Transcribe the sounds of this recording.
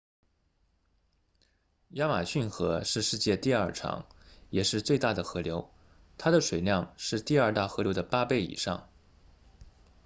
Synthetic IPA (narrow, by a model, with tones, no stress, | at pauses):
ja˥ma˨˩ɕy˥˩nxɤ˧˥ʂɻ̩˥˧ʂɻ̩˥˧t͡ɕjɛ˥˧t̪i˥˧ɐ˞˥˩ʈ͡ʂʰɑ̰˧˥ŋjɛ˨˩ʂɻ̩˥˧t͡swe˥˧ɪt̪a˥˩d̪ə˩xɤ˧˥ljo˧˥ʊ | t̪ʰa˥d̪ə˨ʂwe˨˩ɪljɑ˥˧ŋʂɻ̩˥˧t̪i˥˧ɐ˞˥˧t̪a˥˩xɤ˧˥ljo˧˥ʊd̪ə˨pa˥pe˥˩ɪḭ˨˩ʂɑ̰˥˩ŋ